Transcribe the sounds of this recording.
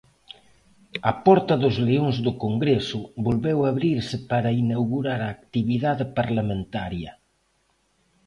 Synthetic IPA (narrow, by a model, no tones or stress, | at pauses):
ɐpɔɾt̪ɐðʊzleoŋzðʊkoŋɡɾesʊβolβewaβɾiɾsɪpaɾainawɣuɾaɾaːkt̪iβiðaðɪpaɾlamẽnt̪aɾjɐ